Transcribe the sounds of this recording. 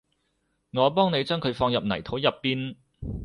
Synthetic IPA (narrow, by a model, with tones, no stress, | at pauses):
ŋɔː˨˧pɔː˥ŋne˨˧jt͡ʃœː˥ŋkʰɵ˨˧ɥfɔː˧ŋjɐ˨p̚nɐ˨˩jt̪ʰo˨˥wjɐ˨pːiː˥n